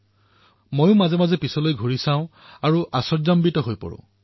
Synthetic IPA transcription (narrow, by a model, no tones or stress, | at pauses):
mojʊ̃mazɛmazɛpisɔlojɡʱoɹisãʊ̃ | aɹuʔasɔzambitɔɦojpɔ̰ɹʊ̰̃